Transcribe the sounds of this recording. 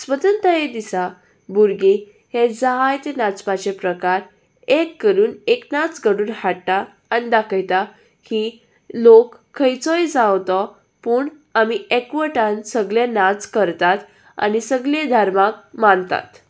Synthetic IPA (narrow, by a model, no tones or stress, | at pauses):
sʋət̪ənt̪əjed̪isa | buɾɡi | hed͡zaɦajt̪enat͡spat͡ɕepɾəkaɾ | ekːəɾuːneknat͡sɡəɽuːnhaɽt̪aː | nid̪akʰəjt̪a | ki | lokʰːəjt͡sɔjd͡zawt̪ɔ | puːɳ | amiekʋəʈãnsəɡlenat͡skəɾt̪at̪ | a̰nisəɡled̪ʱəɾmak̚mant̪a̰t̪